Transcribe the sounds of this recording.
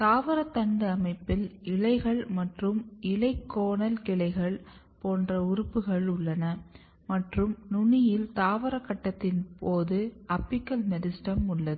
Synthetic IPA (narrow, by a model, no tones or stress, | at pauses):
t̪aːʋɐɾɐt̪ːɐɳɖɯɐmɐɪpːɪlɪɭɐɪɣɐɭmɐʈrɯmɪɭɐɪkːoːnɐlkɪɭɐɪɣɐɭ | poːndrɐʊɾʊpːɯɣɐɭʊɭːɐnɐ | mɐʈrɯmnʊɳɪjɪlt̪aːʋɐɾɐkːɐʈːɐt̪ːɪnpoːðɯɐpːɪkːɐlmɛðɪsʈɐmʊɭːɐðɯ